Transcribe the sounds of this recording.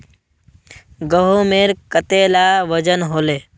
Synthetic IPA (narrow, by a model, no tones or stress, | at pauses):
ɡəɦomeɾkət̪eːlaʋəd͡ʒənɦoːleː